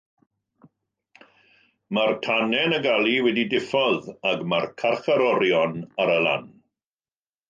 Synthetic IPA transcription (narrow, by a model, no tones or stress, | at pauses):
martʰanɛnəɡalˠiwɛdidɪfɔðaɡmarkʰarχaɾɔɾjɔnaɾəla̰n